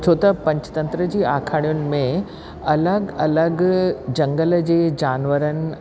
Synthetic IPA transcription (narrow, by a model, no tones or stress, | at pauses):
t͡ɕʰoːt̪ɐpɐ̃ɲt͡ɕt̪ɐ̃nt̪ɾəd͡ʑiːaːkʰaːɽ̃ijʊnɪ̆mẽ | ɐləɡɐləɡd͡ʑɐ̃ŋɡəld͡ʑeːd͡ʑaːnʋəɾənɪ̆